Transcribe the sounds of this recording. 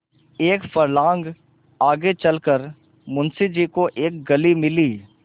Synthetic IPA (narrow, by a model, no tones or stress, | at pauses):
eːkfəɾlãːŋɡ | aːɡet͡ʃəlkəɾ | mʊnsid͡ʒiːkoʔeːk̚ɡəlimɪliː